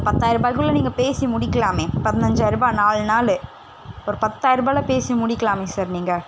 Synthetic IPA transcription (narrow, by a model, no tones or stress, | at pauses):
pɐt̪ːaːɪɾɯbaːjkɯɭːɐniːŋɡɐpeːsimʊɽɪkːɐlaːmẽːpɐðɪnɐɲd͡ʒɐɪɾɯbaːnaːɭnaːlɯ | ɔɾɯpɐt̪ːaːjɪɾɯbaːlɐpeːsimʊɽɪkːɐɭaːmẽːsaːɾniːŋɡɐ